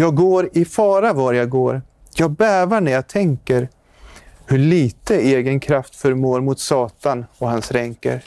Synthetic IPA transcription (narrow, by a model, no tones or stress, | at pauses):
jɑːɡɡoːɾɪfɑːɾavaɾjaɡoːɾ | jɑːɡ̚bæːvaɳæɾjat̪ʰɛŋkəɾ | hɵɭiːt̪əeːɡənkʰɾaft̪fœɾmoːɾmʊt̪sɑːt̪anɔhansɾɛŋkə̰ɾ